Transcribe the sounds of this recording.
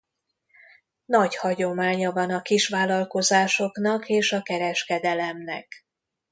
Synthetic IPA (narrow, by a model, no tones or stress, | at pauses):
nɒɟhɒɟo̞maːɲɒvɒnɒkiʃʋaːlɒlko̞zaːʃo̞knɒkeːʃɒkɛɾɛʃkɛd̪ɛlɛmnɛ̰k